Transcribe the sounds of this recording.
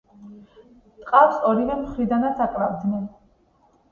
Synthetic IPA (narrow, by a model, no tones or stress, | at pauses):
t̪ʼqʼafsɔɾivɛmχɾid̪anat̪sʰakʼlavd̪nɛn